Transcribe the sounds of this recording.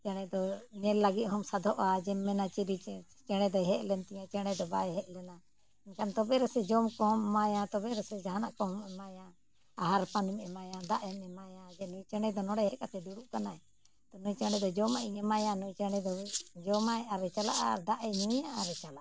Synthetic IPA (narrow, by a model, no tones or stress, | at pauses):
t͡ʃɛɽ̃ɛd̪ɔɲɛlːaɡit̪̚ˀɦɔmsad̪ʱɔʔad͡ʒɛmːɛnat͡ʃiɾi | t͡ʃɛɽ̃ɛd̪ɔɦɛʔlɛnt̪ɛjãt͡ʃɛɽ̃ɛd̪ɔbajɛɦɛʔlɛna | iɲkʰant̪ɔbɛɾɛsɛd͡ʒɔmkɔmːajãt̪ɔbɛɾɛsɛd͡ʒaɦanaʔkɔmɛmajãː | ɦaɾpanimɛmajãd̪aʔɛmɛmajãd͡ʒɛnujt͡ʃɛɽ̃ɛd̪ɔnɔɽɛɦɛʔkat̪ɛd̪uɽuʔkanaɛ | t̪ɔnujt͡ʃɛɽ̃ɛd̪ɔd͡ʒɔmaʔiɲɛmajãnujt͡ʃɛɽ̃ɛd̪ɔd͡ʒɔmajʔaɾɛt͡ʃala̰ʔad̪aʔɛɲujaʔaɾɛt͡ʃalaʔ